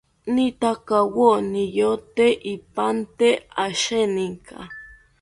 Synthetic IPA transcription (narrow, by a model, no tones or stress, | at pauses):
nit̪akawonijot̪eʔipant̪eaʃeniŋkʰa̰